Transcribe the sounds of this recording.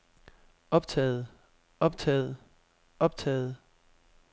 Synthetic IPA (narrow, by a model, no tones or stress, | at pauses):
ɒ̽b̥̚t͡sʰɛ̰ːð̩ˠ | ɒ̽b̥̚t͡sʰɛ̰ːð̩ˠ | ɒ̽b̥t͡sʰɛ̰ːð̩ˠ